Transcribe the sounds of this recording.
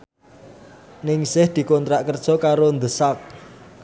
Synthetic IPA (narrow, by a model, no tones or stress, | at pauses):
nɪŋsɪhd̪̥i̤kɔnt̪ɾaʔkərd̥ʒ̥ɔ̤kaɾond̪əsak̚